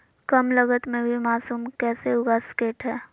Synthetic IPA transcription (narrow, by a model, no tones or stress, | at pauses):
kəmləɡət̪mẽbʱimaːsuːmkɛːseɦʊɡaskeːʈɦɛː